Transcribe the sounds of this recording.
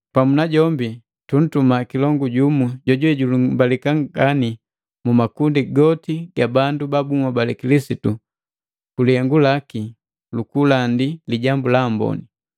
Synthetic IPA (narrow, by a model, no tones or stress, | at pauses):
pamunaɟɔmbi | tun̩tumakilɔŋɡuɟumuɟɔɟuɛɟulumbalikaŋɡani | mumakundiɡɔtiɡabandubabuŋwabalɛkilisitu | kuliɛŋɡulaki | lukulandiliɟambulambɔ̰ni